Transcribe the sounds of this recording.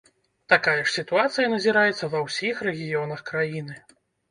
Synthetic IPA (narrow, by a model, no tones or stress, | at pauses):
t̪akajɐʂsʲit̪uat̪sɨjɐnɐzʲiɾajɛt̪sːɐvɐwsʲixrɛɣʲijɔnɐxkɾajinɨ